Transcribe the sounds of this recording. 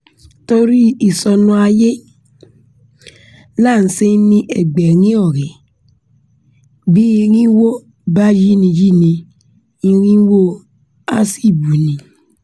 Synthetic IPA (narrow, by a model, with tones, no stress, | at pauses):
to˦ɾi˦i˨sɔ˨nũ˨˦a˨je˦ | la˦˨n̩˨se˦nĩ˦ʔe˨ɡ͡be˨ɾĩ˦ɔ˦˨ɾe˨ | bi˦e˨ɾĩ˦wo˦ | ba˦d͡ʒi˦nĩ˨d͡ʒi˦nĩ˨ | i˦ɾĩ˦wo˦ | a̰˦si˦˨bu˨nĩ˨